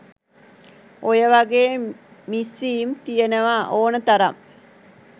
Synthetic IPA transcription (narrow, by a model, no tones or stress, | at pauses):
ojəʋaɡeːmisɾiːmt̪ijənəʋaʔoːnət̪aɾam